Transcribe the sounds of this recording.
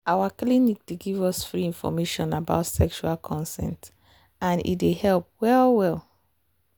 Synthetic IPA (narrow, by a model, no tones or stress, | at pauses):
awaklinik̚deɡivɔsfɹiĩnfɔ̰meʃɔ̃naba̰ʊtsɛkʃualˠkʰɔ̃nsɛ̰̃nt | ãnḭtdehɛlp̚wɛlwɛlˠ